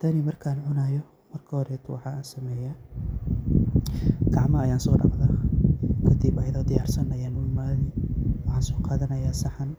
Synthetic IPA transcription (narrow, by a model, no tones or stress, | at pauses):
t̪ʰɐnɪmɐrkʰaːnʕʊnaːjɔ | mɐrkʰɐhɔɾɛt̪ʰʊwɑ̰ħɑːaːnsɐmɛːja | ɡ̥ɑʕmɐːjaːnsɔːɖɑ̰qðaːkʰɐd̪ibɐjɐðɐːd̪ɪjaːrsɐnɐjaːnʊlmaːðɪwɑħɑːnsɔːqɑːðɐnɐjaːsɑħɐn